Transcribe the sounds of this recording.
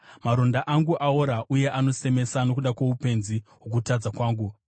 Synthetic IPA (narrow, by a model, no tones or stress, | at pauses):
maɾo̞ndaʔaŋɡuʔaoɾaʔuje̞ʔano̞se̞me̞sano̞kuɗakwoupe̞nziɦok̬utad͡zakwaːŋɡu